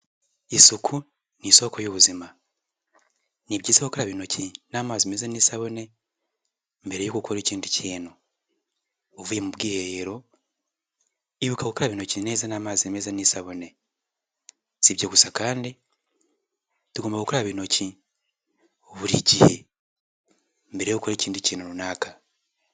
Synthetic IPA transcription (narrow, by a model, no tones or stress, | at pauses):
isukʰu | niso̞ːko̞joβuzima | niβɟiːzehokuɾaβino̞cinaːmaːzimezaniːsaβone̞ | mbe̞ɾe̞jokukʰo̞ɾeciːndicʰiːnu | uvuje̞mubɡiːhe̞eɾo̞ | iβukakukoɾaβiːno̞cine̞ːzanaːmaːzime̞ːzaniːsaβone̞ | siβɟeːɡusakaːndi | tuɡoːmbakokuɾaβiːno̞ci | oβuɾiɟihe | mbe̞ɾejokukoɾeːciːndiciːnuɾunaːka